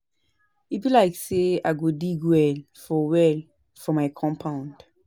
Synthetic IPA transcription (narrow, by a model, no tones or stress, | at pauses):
ipilaɪkseaɡodiɡwɛl | fɔwɛl | fɔmaɪkʰɔ̃mpʰãʊ̃nd